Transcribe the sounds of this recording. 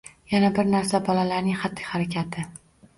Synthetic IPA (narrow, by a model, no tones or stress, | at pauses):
janabɪɾnaɾsabɒlalaɾnɪŋχat̪ːɪ̥haɾakʲʰat̪ʰɪ